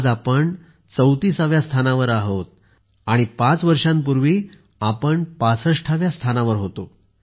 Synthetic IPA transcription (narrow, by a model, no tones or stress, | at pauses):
d͡zapəɳ | t͡səwt̪iːsaʋjast̪ʰanaʋəɾaɦot̪̚ | aɽ̃ipãt͡sʋəɾʂãmpuɾʋi | apəɳpasəʂʈʰaʋjast̪ʰanaʋəɾɦot̪o